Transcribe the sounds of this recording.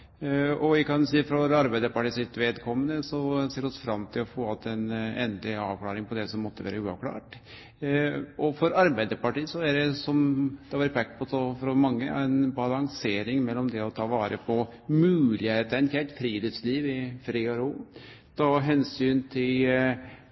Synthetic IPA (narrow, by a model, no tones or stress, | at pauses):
ɔʋɪkʰɑnsiːfɾɑɾɑɾbæɪd̪əɾpɑʈiːsɪt̪ʋeːd̪kʰɔmːənəsɔseːɾɛɔsfɾɑmːt̪ʰɪlɔfoːɑt̪ɛnɛnd̪lɪɑːʋkʰlɑːɾɪŋpʰɔd̪ɛsɔmːɔt̪ːəʋæ̰ːɾəʉːɑ̰ʋkʰlɑ̰ːʈ | ʔɔfɔɾɑɾbæɪd̪əɾpɑʈiːsɔæɖɛsɔmd̪̥ɛhɑʋɑɾpʰɛkːpʰɔsɔfɾɔmɑŋːəæ̰ɪnbɑlɑŋseːɾɪŋmɛlːɔmd̪ɛɔt̪ʰɑːʋɑːɾəpʰɔmʉːlɪheːt̪əɛnçʰɛt̪fɾiːd̪ɪsliːʋɪfɾiːɔɾuː | t̪ʰɑːɦɛnsyːnt̪ʰɪl